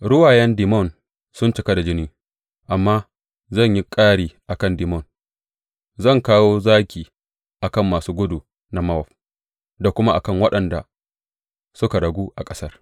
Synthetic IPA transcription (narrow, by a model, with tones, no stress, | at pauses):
ɽʊ˦waː˨jɛ˦ndi˨mɔ˦˨n | sʊ˦nt͡ʃɪ˨ka˦da˨d͡ʒɪ˦niː˦ | ʔa˨mːaː˦ | zɐ˦˨ɲji˦kʼaː˦ɽiː˨ʔa˨kɐ˦˨ndɪ˨mɔ˦˨n | zɐ˦˨ŋkaː˦woː˦zaː˦kʲiː˨ | ʔa˨kɐ˦˨mːaː˨suː˦ɡʷʊ˦du˨ | na˨ma˦ɔ˨ɸ | da˨kʷʊ˦ma˦ʔa˨kɐ˦ŋwɐ˦ɗɐ˨nda̰˨ | sʊ˦ka˨ɽɐ˨ɡʷuː˦ʔa˨kʼɐ̥˦sɐ˦r